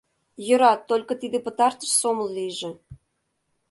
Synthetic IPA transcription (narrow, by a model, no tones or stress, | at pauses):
jø̆ɾɑt̪ːolʲkŏt̪id̪ĕpə̆t̪ɑrt̪ə̥̆ʃsoməllijʒĕ